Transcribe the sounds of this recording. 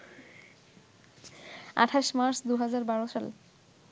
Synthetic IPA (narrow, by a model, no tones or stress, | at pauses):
a̰ʈʰaʃmaɾsd̪uɦad͡ʑaɾbaɾoʃal